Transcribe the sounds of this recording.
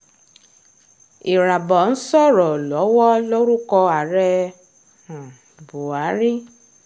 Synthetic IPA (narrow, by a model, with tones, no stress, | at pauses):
i˨ɾa˨bɔ˨n̩˦sɔ˦˨ɾɔ˨lɔ˨˦wɔ˦lo˦ɾu˦kɔ˧a˨ɾɛ˧ | ã˨ | bu˨a˨˦ɾi˦